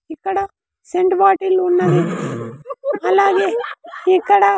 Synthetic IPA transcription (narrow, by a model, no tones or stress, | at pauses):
ikːɐɽa | seɳʈbaːʈilunːaɡe | ɐlaːɡeikːɐɽa